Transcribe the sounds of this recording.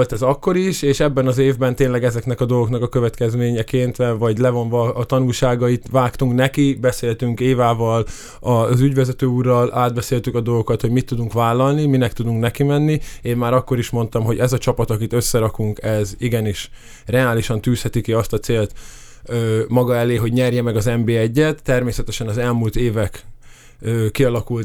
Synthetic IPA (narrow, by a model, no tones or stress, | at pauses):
olt̪ɛzɒkːo̞ɾiʃeːʃɛbːɛnɒzeːvbɛnt̪eːnlɛɡɛzɛknɛkɒd̪olɡo̞knɒkɒkøvɛt̪kɛzmeːɲɛkeːnt̪ʋɛvɒɟlɛvo̞ɱvɒːt̪ɒnulʃaːɡɒit̪ʋaːkt̪uŋknɛkibɛseːlt̪yŋkeːvaːvɒl | ɒzyɟvɛzɛt̪øːuːrːɒlʔaːd̪̚bɛseːlt̪ykɒd̪o̞lɡokɒt̪hoɟmit̪ːud̪uŋkʋaːlːɒlniminɛkt̪ud̪uŋknɛkimɛnːieːmmaːɾɒkːo̞ɾiʃmo̞n̪t̪ɒmɦo̞ɟɛzɒt͡ʃɒpɒt̪ɒkit̪ø̞sːɛɾɒkuŋkɛziɡɛniʃ | rɛaːliʃɒnt̪yːshɛt̪ikiɒst̪ɒt̪seːlt̪ː | mɒɡɒɛleːɦo̞ɟɲɛrjɛmɛɡɒzɛmbeːɛɟːɛt̪ːɛrmeːsɛt̪ɛʃɛnɒzɛlmult̪eːvɛk | øːkiɒlɒkult̪